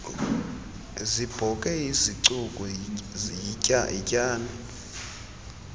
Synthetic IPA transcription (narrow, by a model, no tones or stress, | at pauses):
zib̥ʱɔkʼɛiziǀukʼɔ | aḭcʼaːna